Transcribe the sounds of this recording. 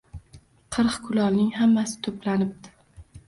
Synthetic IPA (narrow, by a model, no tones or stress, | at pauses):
qʰɨɾqkʰʊlɒlnɪŋhamːasɪ̥t̪ʰoplanɪb̚d̪ɪ̥